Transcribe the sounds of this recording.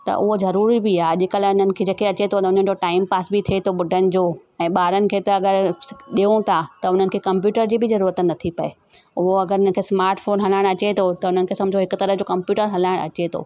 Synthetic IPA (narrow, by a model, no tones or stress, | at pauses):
t̪ɐ̰ʔʊɦozɐɾuːɾibiaːʄɪkəlaʊnənɪ̆kʰeːd͡ʑeːkeɐt͡ɕet̪ʰot̪ɐʊn̤ənɪ̆d͡ʑoʈaːɪmpaːsbɪt̪ʰiet̪ʰoɓʊɖʱənɪ̆d͡ʑoː | ɛ̃ːɓaːɾənɪ̆kʰeːt̪ɐɐɡəɾɗiõt̪ʰat̪ɐʊn̤ənɪ̆kʰeːkɐ̃mp̬juːʈəɾd͡ʑiːbɪzɐɾuːɾət̪nɐt̪ʰipɐe | ʊɦoɐɡəɾʊn̤ənɪkʰeːsmaːɾʈfoːnɦɐlaːɪɽ̃ɐt͡ɕet̪ʰot̪ɐʊn̤ənɪ̆kʰeːsɐ̃mbd͡ʑoɦɪkʊt̪ɐɾəɦd͡ʑoːkɐ̃mpjuːʈəɾɦɐlaːɪɽ̃ɐ̰t͡ɕet̪ʰo̰ː